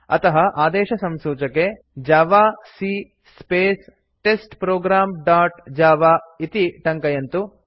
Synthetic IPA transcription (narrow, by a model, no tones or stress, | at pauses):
ɐ̰t̪ɐɦɐʔaːd̪ɛːʃɐsɐmsuːt͡ʃɐke | d͡ʒaːʋaːsi | speːs | ʈesʈpɾoːɡɾaːmɖaːʈd͡ʒaːʋaːit̪iʈɐŋkɐjɐnt̪u